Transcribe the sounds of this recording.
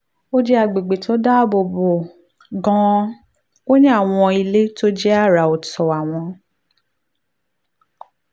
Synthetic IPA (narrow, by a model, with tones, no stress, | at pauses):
o˦d͡ʒɛ˦a˧˨ɡ͡be˨ɡ͡be˨to˨˦da˦˨bo˧bo˨ | ɡɔ̃˧˦ | o˦ɲĩ˦a˦˨w̃ɔ̃˧i˧le˦to˦d͡ʒɛ˦a˦˨ɾa˨o˨tɔ˨a˨w̃ɔ̃˧